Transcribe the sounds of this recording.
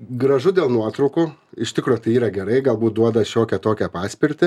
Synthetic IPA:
ɡɾɐʒʊd̪ʲeːlˠnuɔt̪ɾɐʊkuːɪʃt̪ʲɪkɾuːjʊt̪ɐɪiːɾɐɡʲɛɾɐɪɡɐlˠbuːt̪̚d̪uɔd̪ɐʃʲoːkʲɛt̪oːkʲɛpɑːsʲpʲɪɾʲt̪ʲɪ

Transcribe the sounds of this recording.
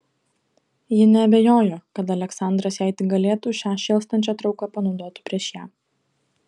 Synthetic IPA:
jɪnʲɛɐbʲejoːjoːkɐt̪ɐlʲɛksɑˑnd̪ɾɐsjæˑɪt̪ʲɪɡɐlʲeːt̪uːʃʲɑːʃʲɛːlˠst̪ɐnʲt͡ʃʲɛːt̪ɾɒʊkɐpɐnɒʊd̪oːt̪ʲɪ̥pʲɾʲiɛʃjæː

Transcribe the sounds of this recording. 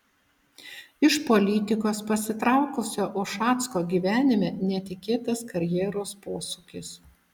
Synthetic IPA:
ɪʃpɔlʲɪt̪ʲɪkoːspɐsʲɪt̪ɾɑʊkʊsʲoːʔʊʃɑːt̪skoːɡʲiʋʲæːnʲɪmʲɛːnʲɛt̪ʲɪkʲeːt̪ɐskɐɾʲjɛːɾoːspoːsukʲɪs

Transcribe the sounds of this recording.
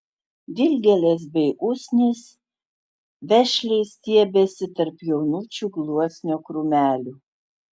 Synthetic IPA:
d̪ʲɪlʲɡʲɛlʲeːs̬bʲɛɪʔʊsʲnʲɪs | ʋʲɛʃʲlʲɛɪst̪ʲiɛbʲɛsʲɪt̪ɐɾpjɛʊnuːt͡ʃʲuːɡlˠuɔsʲnʲoːkɾʊmʲæːlʲuː

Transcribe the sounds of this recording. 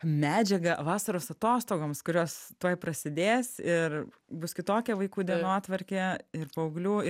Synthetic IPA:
mʲæːd͡ʒʲɛɡɐʋɑːsɐɾoːsɐt̪oːst̪oːɡoːmskʊɾʲoːst̪uɔjpɾɐsʲɪd̪ʲeːsɪr | bʊskʲɪt̪oːkʲɛʋɐɪkuːd̪ʲiɛnoːt̪ʋɐɾʲkʲɛɪɾpɐʊɡlʲuː

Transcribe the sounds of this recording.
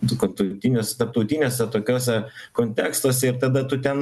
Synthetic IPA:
nʊkɐt̪ɐt̪ʲɪnʲoːsʲt̪ɐɾp̚t̪ɐʊt̪ʲɪnʲoːsʲɛt̪oːkʲoːsʲɛkoːnʲt̪ʲæːkst̪oːsʲɛɪɾt̪ɐd̪ɐt̪ʊt̪ʲɛn

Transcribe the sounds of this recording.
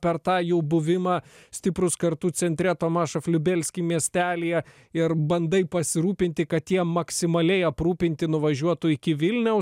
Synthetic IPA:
pʲɛɾt̪ɑːjɛʊbʊʋʲɪmɑːsʲt̪ʲɪpɾʊskɐɾt̪uːt͡ssʲɛnʲt̪ʲɾʲɛt̪oːmɑːʃɐfʲlʲʊbʲɛlʲsʲkʲimʲiɛsʲt̪ʲæːlʲijɛ | ɪɾbɐnd̪ɐɪpɐsʲɪɾuːpʲɪnʲt̪ʲɪkɐt̪jiɛmɐksʲɪmɐlʲɛɪɐpɾuːpʲɪnʲt̪ʲɪnʊʋɐʒʲuɔt̪ʊɪkʲɪʋʲɪlʲnʲɛʊ

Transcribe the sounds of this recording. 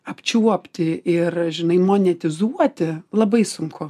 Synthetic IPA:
ɐpʲt͡ʃʲuɔpʲt̪ʲɪɪrʒʲɪnɐɪmoːnʲɛt̪ʲɪzuɔt̪ʲɪlˠɐbɐɪsʊŋkʊ

